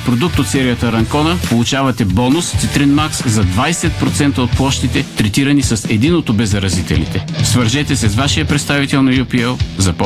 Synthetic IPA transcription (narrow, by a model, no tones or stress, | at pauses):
pɾod̪uk̚t̪ot̪sɛɾijət̪əɾɐŋkɔnəpolˠut͡ʃavɐt̪ɛbɔnʊst̪it̪ɾɛnmakszɐd̪vajsɛt̪̚pɾot̪sɛnt̪əot̪̚plˠɔʃt̪it̪ɛt̪ɾɛt̪iɾɐnisɐsɛd̪inot̪obɛzɐɾɐzit̪ɛ̰lḭt̪ɛsvɐɾʒɛt̪ɛsɛsvaʃijəpɾɛt̪st̪avit̪ɛlˠnɐjupiɛlˠzɐp